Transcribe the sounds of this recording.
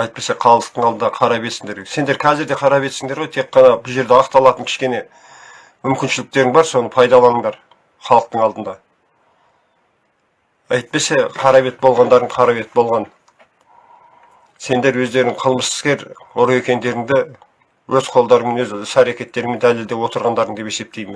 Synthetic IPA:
ɑjt̪̚pe̞seqʰɑlˠəq̚t̪əɴɑlˠənd̪ɑqʰɑɾɑbe̞t̪sɪŋd̪e̞ɾse̞nd̪e̞ɾkʲʰæzɪɾd̪e̞qʰɑɾɑbe̞t̪sɪŋd̪e̞ɾʁojt̪ʰeqːɑnɑbʊʒe̞ɾd̪eɑqt̪ɑlˠɑt̪əŋkʲʰɪ̥ʃkʲe̞ne̞ | mʏmkʲɪnʃɪlɪk̚t̪e̞ɾɪŋbɑɾso̞nəpʰɑjd̪ɑlˠɑnəɴd̪ɑɾ | χɑlˠəq̚t̪əɴɑlˠd̪ənd̪ɑ | ɑjt̪̚pe̞se̞qʰɑɾɑβe̞t̪̚bo̞lˠʁɑnd̪ɑɾəɴqʰɑɾɑβe̞t̪̚bo̞lˠʁɑn | se̞nd̪e̞ɾwɵzd̪e̞ɾɪŋqʰəlˠməsə̥skʲe̞ɾʊɾe̞kʲe̞nd̪e̞ɾɪŋd̪ɪ | wɵzqʰo̞lˠd̪ɑɾəŋme̞nwɵzʏsæɾekʲe̞t̪ːe̞ɾɪŋme̞nd̪æle̞ld̪e̞wo̞t̪əɾʁɑnd̪ɑɾəɴd̪pe̞se̞p̚t̪e̞jmɪn

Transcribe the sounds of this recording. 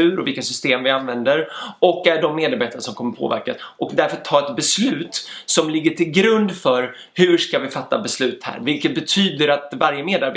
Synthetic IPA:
ʉ̟ːɾɔvɪlkːasʏst̪eːmvɪanvɛnd̪əɾɔkːæɖɔmːeːd̪aɾbeːt̪anʂɔmkʰɔmːəɾpʰo̰ːvæ̰ɾkasʔɔkd̪æɾfœɾt̪ʰːɑːɾɛt̪̚bɛslʉ̟ːt̪sɔmlɪɡːəʈʰɪlɡɾɵnd̪fœɾ | hɵ̟ʂkavɪfat̪ːa̰bɛslʉ̟ːt̪hæ̰ːɾvɪlkət̪̚bɛt̪ʰyːd̪əɾat̪vaɾjəmeːd̪aɾb

